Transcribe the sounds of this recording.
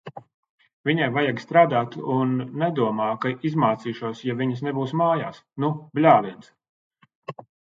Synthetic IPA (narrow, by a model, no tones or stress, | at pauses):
vʲiɲajvajaɡst̪ɾaːd̪aːt̪unːɛd̪uɔmaːkaizmaːt̪siːʃuɔsjavʲiɲɐsnɛbuːsmaːjaːsnublʲaːlˠiɛnts